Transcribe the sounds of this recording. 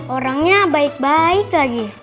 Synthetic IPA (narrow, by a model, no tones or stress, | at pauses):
oɾaŋɲabaik̚baiklaɡi